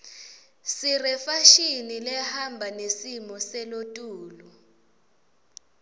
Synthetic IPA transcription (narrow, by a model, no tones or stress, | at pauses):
sirɛfaʃinilɛhambʱanesimɔsɛlotʼuːlu